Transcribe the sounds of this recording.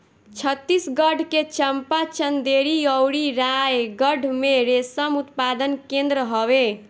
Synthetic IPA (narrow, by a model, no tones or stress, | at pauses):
t͡ʃʰət̪ːisɡəɖʱket͡ʃəmpat͡ʃənd̪eɾiəwɾiɾajɡəɖʱmeɾesəmut̪pad̪ənkẽnd̪ɾəɦɔβe